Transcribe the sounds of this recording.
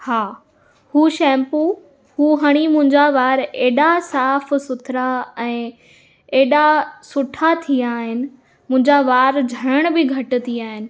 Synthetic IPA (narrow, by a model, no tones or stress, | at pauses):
haː | huːʃɛ̃ːmpu | huːɦɐɽ̃imʊ̃ɦɪ̃ɲd͡ʑaʋaːɾeːɗasaːfsʊt̪ʰɪɾaɛ̃ː | eːɗasʊʈʰat̪ʰiaːɦɪnɪ̆ | mʊ̃ɦɪ̃ɲd͡ʑaʋaːɾd͡ʑʱɐɾəɽ̃bɪɡʱɐʈ̆t̪ʰiaːɦɪnɪ̆